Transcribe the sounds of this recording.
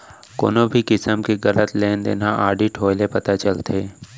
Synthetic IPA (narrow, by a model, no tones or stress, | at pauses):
ko̰ːnobʱikɪsəmkeɣɐlət̪leːnd̪ḛːnaʔaːɖiʈʰoːlepɐt̪at͡ʃəlt̪eː